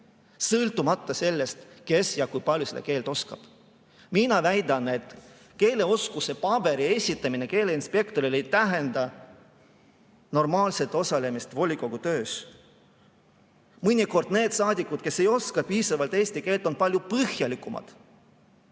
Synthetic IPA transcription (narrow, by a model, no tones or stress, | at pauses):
sɤlt̪ːˑumɑt̪ːˑɑse̞lːe̞st̪ke̞sjɑkujpɑlʲjused̪ḛke̞ːlt̪o̞skɑ̰b̥ | minɑvæjd̪ɑne̞t̪ | ke̞ːle̞o̞skuse̞pɑb̥e̞ɾie̞sʲit̪ːˑɑmineke̞ːle̞inspe̞kt̪o̞ɾile̞jt̪æɦend̪ɑ | no̞rmɑːlse̞t̪ːˑo̞sɑle̞mist̪vo̞lʲiko̞ɡ̥ut̪ø̞ːs | mɯnʲiko̞rd̪̥ne̞ːd̪̥sɑːd̪ʲikˑud̪̥̚ke̞sːe̞jo̞skɑpiːsɑvɑlt̪e̞ːsʲt̪ike̞ːlt̪ːˑo̞npɑlʲjupɤhjɑlikˑːumɑ̰d̪̥